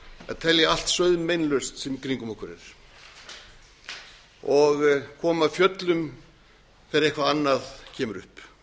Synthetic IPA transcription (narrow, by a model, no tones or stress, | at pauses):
ɛðt̪ʰɛljɪal̥t̪sœɥðʏmejnlœɥst̪sɛmkɾiŋkʏmɔhkʏɾɪ̰ɾ̥ | ɔɣkʰɔːmafjœt̪lʏm | fɛɾejhkʰvaanːaðcʰɛːmʏɾʏ̰hp